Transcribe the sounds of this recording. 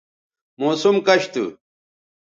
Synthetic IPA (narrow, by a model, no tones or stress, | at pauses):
moːsumkɐɕt̪ṵ